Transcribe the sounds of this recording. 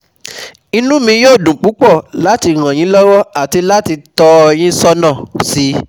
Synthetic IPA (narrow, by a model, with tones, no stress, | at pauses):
i˧nũ˦mĩ˧joː˦˨dũ˨k͡pu˨˦k͡pɔ˦˨la˨˦ti˧ɾ̃ã˨j̃ĩ˨˦lɔ˦wɔ˦a˨ti˧la˦ti˧tɔ˧j̃ĩ˦sɔ˦nã˦˨si˨˦